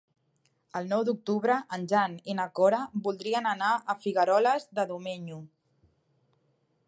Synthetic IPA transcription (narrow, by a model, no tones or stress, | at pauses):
əlˠnɔwd̪uk̚t̪uβɾəʔənʲʒaninakɔɾəbulˠd̪ɾiənənaəfiɣəɾɔləzðəðumeɲu